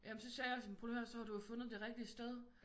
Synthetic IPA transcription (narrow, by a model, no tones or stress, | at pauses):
jʔæmnsɒ̽sɛjɑsɒ̽mpʰolhøɐsɒ̽hɑ̈dujofɔ̽nð̩ˠd̥e̝ʁɛɡ̥̚d̥iəsd̥eð̞ˠ